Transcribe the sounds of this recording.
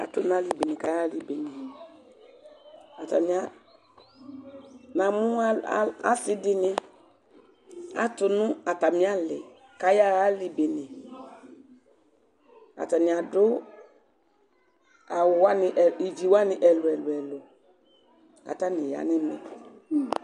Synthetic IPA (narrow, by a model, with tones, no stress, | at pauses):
a̰˨tʊ˨nʊ̃˦a˦li˨be˨nɪ̃˨ka˨˦ja˦li˨be˨nɪ˨ | a˨ta̰˨nɪ˨a˦ | nã˨mʊ̃˦a˦a̰˦sɪ˦dɪ˦nɪ̃˦ | a̰˨tʊ˨nʊ̃˦a˨ta˨mĩ˦a˦lɪ̰˨ | ka˨˦ja˦ɣa˦li˨be˨nɪ˨ | a̰˨ta˨nɪ̃˨a˨dʊ˦ | a˨wwa˦nɪ˨ʔɛ˨i˨d͡ʒi˨wa˦nɪ˨ʔɛ˨lʊ˨ɛ˨lʊ˨ɛ˨lʊ˨ | a̰˨ta˦nɪ̃˨ja̰˨nɛ˦mɛ˨